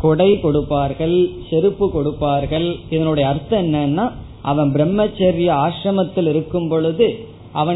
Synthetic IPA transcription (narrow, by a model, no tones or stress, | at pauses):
kɔɽɐɪkɔɽɯpːaːɾɣɐɭsɛɾɯpːɯkɔɽɯpːaːɾɣɐɭɪðɐnɯɽɐjɐːɾt̪ːɐɛnːɐːnːaː | ʔɐʋɐnbɪɾɛmːɐt͡ʃːɐɾɪjɐaːʂɾɐmɐt̪ːɪlɪɾɯkːɯmpɔɭɯðɯ | ʔɐʋɐ